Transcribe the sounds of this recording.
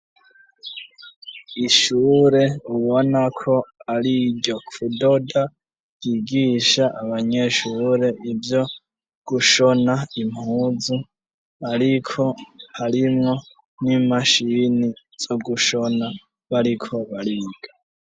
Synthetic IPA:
iʃuːɾe̞uβo̞nakʰo̞aɾiɟo̞kudoda | jiɡiːʃaʔaβaɲe̞ʃuːɾe̞ʔivjo̞ | ɡ̥uʃo̞naim̥huːzu | aɾikʰo̞haɾimŋo̞ | nimaʃini | z̥o̞ɡuʃo̞na | βaɾikʰo̞βaɾiɡ̥a

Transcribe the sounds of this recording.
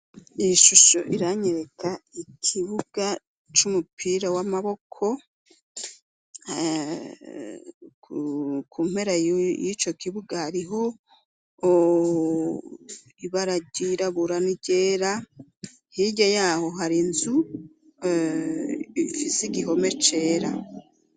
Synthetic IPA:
iʃuʃoʔiɾaɲeɾekʰaikʰiβuɡ̥a | t͡ʃumupʰiːɾawamaβo̞kʰo̞ | kuːm̥he̞ɾajit͡ʃo̞kiβuɡahaɾiɦo | iβaɾaɟiɾaβuɾaniɟeːɾa | hiɟajaːho̞ɦaɾinzu | ifisiɡiɦo̞me̞t͡ʃe̞ːɾa

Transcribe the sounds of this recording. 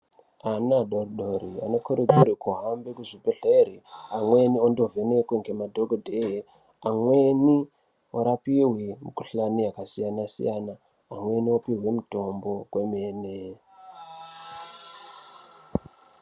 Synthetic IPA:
anaɗoriɗoriano̞kʰuɾed͡zirwekʰuɦambekuʐibʱeɬeɾiamwe̞niondovenekweŋɡemadʱoɡʱodʱeɦe | amwe̞ni | oɾapiɦwimiku̥ɬaniakasijanasḭjanaː | mwe̞niopiɦwe̞muto̞mbokwe̞meːne

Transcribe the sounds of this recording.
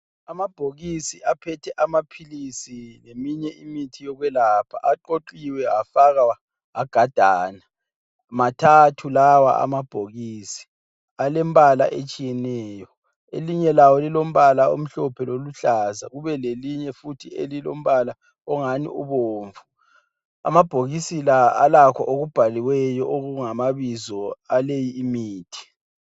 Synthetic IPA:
amab̥ʱoɣisiʔapʰɛtʰɛʔamapʰilisinemiɲɛʔimitʰijɔɣwɛlapʰa̰ʔaǃoǃiwɛafaɣawa | aɡ̥ʱad̥ʱaːna | matʰatʰulawa̰a̰mab̥ʱoɣiːsi̥ | alɛmbʱʼala̰ʔet͡ʃʼijɛnɛːjɔ | eliɲɛlawɔlilom̩βalaom̩ɬɔpʰɛloluɬaza̰ɣuβɛleliɲɛfutʰiḛlilo̰m̩βala | ɔŋanḭʔuβoːɱvu | a̰mab̥ʱoɣisilaalakʰɔʔoɣub̥ʱaliwɛjɔʔoɣuŋamaβizɔalejiːmiːtʰi̥

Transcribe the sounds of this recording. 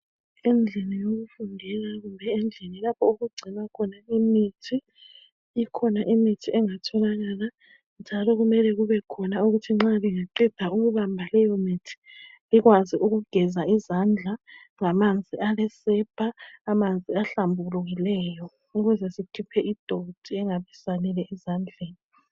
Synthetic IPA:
ɛnd͡ɮʱɛnijoɣufundʱɛɣaɣumbʱɛɛnd͡ɮʱɛnilapʰɔuɣuɡ͡ǀʱinakʰɔnaimitʰiː | kʰɔnaʔimitʰiɛŋatʰɔlaɣaːla | nd͡ʒʱalɔɣumɛlɛɣuβɛkʰɔnauɣutʰiŋ͡ǁaliŋaǃid̥ʱauɣuβambʱalɛjɔmitʰi̥ | liɣwaziuɣuɡ̥ʱɛzaizand͡ɮʱa | ŋamand͡zʱialɛsɛb̥ʱaːmand͡zʱiaɬambʱuluɣilɛjɔ | uɣuzɛsikʰipʰɛʔid̥ʱod̥ʱiɛŋaβisanɛlɛʔizand͡ɮʱeːni

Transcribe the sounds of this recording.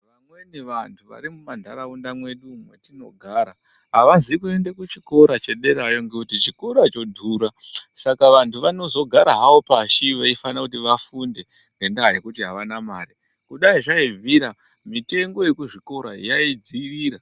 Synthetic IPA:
ʋamwe̞niʋantʰuʋa̰ɾimumandʱaɾaundamwe̞ɗumwetino̞̰ɡʱaːɾa | ɦaʋazikue̞ndekut͡ʃi̥ko̞ɾat͡ʃe̞ɗe̞ɾajo̞ŋɡekutit͡ʃiko̞ɾat͡ʃo̞dʱuɾa | sakaʋantʰuʋano̞zo̞ɡʱaɾaɦaopaʃiʋaifanakutiʋafunde̞ | ŋɡe̞ndaɦje̞kutiɦaʋanamaːɾi | kuɗaiʐaiviɾa | mite̞ŋɡo̞je̞kuʐiko̞ɾaḭjaid͡ziʋiːɾa

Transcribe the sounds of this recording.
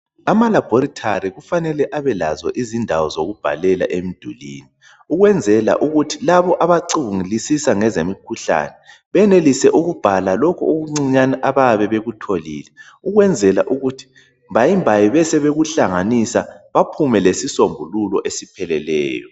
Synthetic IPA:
amalab̥ʱɔɾitʰaɾiɣufanɛlɛʔaβɛla̰zɔ̰ʔizindʱawɔzoɣub̥ʱa̰lɛla̰ʔem̩d̥ʱulḭːni | uɣwɛnd͡zʱɛla̰ʔuɣutʰilaβɔʔaβaǀiβuŋilisisaŋɛzemikʰuɬa̰nɛ | βɛnelisɛʔuɣub̥ʱalalokʰuuɣuŋ͡ǀiɲanaʔaβaβɛβeɣutʰoliːlɛ | uɣwɛnd͡zʱɛlaʔuɣutʰi̥ | mbajimbʱajiβɛsɛβeɣuɬaŋanisaβapʰumɛlesisombʱululɔʔesipʰɛlɛlɛ̰ːjɔ̰

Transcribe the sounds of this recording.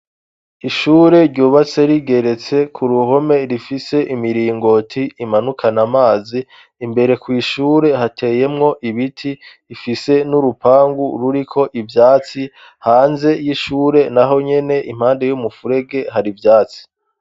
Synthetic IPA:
iʃuːɾe̞ɾɟuːβat͡se̞ɾiɡe̞ɾe̞t͡se̞kʰuɾuɦo̞me̞ɾifise̞ʔimiɾiːŋɡo̞tʰiːmanukʰanamaːziː | mbe̞ɾe̞kwiːʃuːɾe̞hatʰe̞ːje̞mŋo̞ʔiβitʰiː | fise̞nuɾupaːŋɡuɾuɾikʰo̞ʔivjaːt͡si | haːnze̞jiʃuːɾe̞naɦo̞ɲe̞ne̞ʔim̥haːnde̞jumufuɾe̞ɡe̞ɦaɾivjaːt͡si̥

